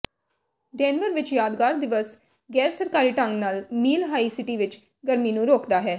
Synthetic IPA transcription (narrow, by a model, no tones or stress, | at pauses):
ɖɛ̃ːnʋəɾʋɪt͡ʃjaːd̪ɡaːɾd̪ɪʋəs | ɡɛːɾsəɾkaːɾiːʈə̃ŋɡnaːlmiːlɦaːiːsɪʈiːʋɪt͡ʃ | ɡəɾmiːnũːɾoːkd̪aːɦɛː